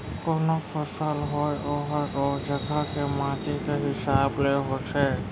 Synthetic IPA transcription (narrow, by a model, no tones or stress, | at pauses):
kɔnopʰəsəlɦojɔɦɔɔːd͡ʒəɡʱakemãːt̪ikeɦɪsaːbleɦosʰe